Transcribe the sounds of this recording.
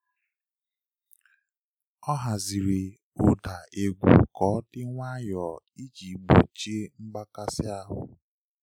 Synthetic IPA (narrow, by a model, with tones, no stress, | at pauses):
ɔ˦ɦa˨zi˨ɾe˨ | ʊ˦da˨e˨ɡʷṵ˨kɔː˨˦dɪ˦ŋʷa˦jɔ˨ | i˦t͡ʃi˨ɡ͡bo̰˨t͡ʃe˦ŋ͡m̩˦ɡ͡ba˦ka˦sɪ˦a˦ɦʊ̰˨